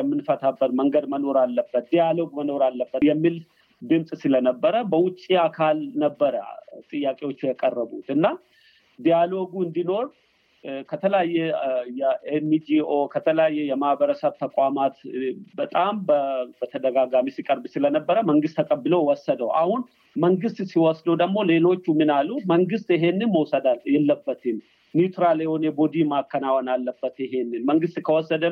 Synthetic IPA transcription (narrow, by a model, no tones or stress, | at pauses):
jɛmːɨnfət̪ʰabːət̪məŋɡəd̪məno̞ɾalːəbːət̪̚d̪ijalo̞ɡməno̞ɾalːəbːət̪jɛmːil | ɡ̪ɨmsʼsɨlənəbːəɾəbəwʊt͡ʃʼːiakʰalnəbːəɾə̰t̪ʼɨjːakʼewo̞t͡ʃːjɛkʼərːəbut̪ɨnːa | d̪ijalo̞ɡuɨnd̪ino̞ɾ | kʰət̪ʰələjajːɛjɛʔenːid͡ʒio̞kʰət̪ʰələjajːɛjɛmahbəɾəsəβt̪ʰəkʷʼamat̪bət̪ʼambəbət̪ʰəd̪əɡaɡamisikʼəɾbɨsɪlənəbːəɾəməŋɡɨst̪ʰːəkʼəbːɨləwwɔsːəd̪əwa̰hʊn | məŋɡɨst̪siwɔsd̪əd̪əɡmːo̞le̞lo̞t͡ʃːumɨnaluməŋɡɨst̪ɪɦe̞nːɨnməwsəd̪aljɛlːəbːət̪ɪn | njut̪ʰɾalewonɛbod̪imakːənawanalːəbːət̪ɪɦe̞nːɨnməŋɡɨst̪ʼkʰəwɔsːəd̪ə